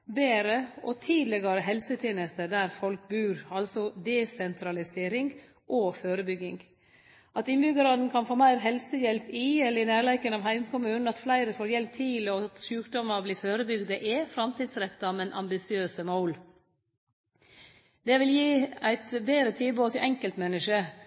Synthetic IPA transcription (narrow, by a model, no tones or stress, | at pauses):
beːɾəɔt̪ʰiːd̪lɛɡɑɾəɦɛlsət̪ʰeːnəst̪əd̪æɾfɔlkbʉːɾɑlsɔd̪ɛsɛnt̪ʰɾɑlɪseːɾɪŋɡ | ʔoːføːɾəbʏɡɪŋɡ | ʔɑt̪ɪmbʏɡɑɾɑːd̪n̩kʰɑnfoːmæɪɾɦɛlsəjɛlpɪɛlːəɪnæːɭæɪkənɑʋɦæɪmkʰʊmʉːnn̩ɑt̪flæɪɾəfoːɾjɛlp̚t̪ʰiːləɔt̪ʃʉːkd̪ɔmɑbliːføːɾəbʏɡd̪əʔɛfɾɑmt̪ʰiːd̪sɾɛt̪ːɑmɛnʔɑ̰mbɪsɪøːsəmɔʊl | d̪ɛʋɪljiːæɪt̪beːɾət̪ʰiːboːt̪ʰɪʔɛŋkəlt̪mɛnːəʂə